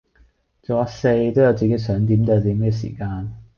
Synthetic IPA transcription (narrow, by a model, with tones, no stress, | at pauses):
t͡so˨˧aː˨˥se˧jt̪o˥wjɐ˨˧wt͡siː˨ke˨˥jsœː˨˥ŋt̪̬i˨˥mt̪ɐ˧t̪iː˨˥mɡɛː˧s̬ḭː˨˩kaː˧n